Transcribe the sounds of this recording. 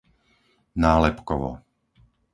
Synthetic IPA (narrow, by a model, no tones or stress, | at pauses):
naːlɛpkɔʋɔ̰